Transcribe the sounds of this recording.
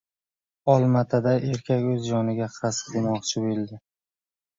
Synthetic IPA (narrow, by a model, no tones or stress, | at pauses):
ɒlˠmat̪ʰad̪aʔe̞ɾkʲʰakʲɵzd͡ʒɒnɪɡʲaqʰɾasɪ̥pd̪emɒqt͡ʃʰɪboɪld̪ɪ